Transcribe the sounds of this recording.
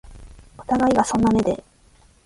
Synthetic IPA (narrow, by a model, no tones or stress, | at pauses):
o̥t̪aɡaiɡasõ̞nːame̞d̪e̞̰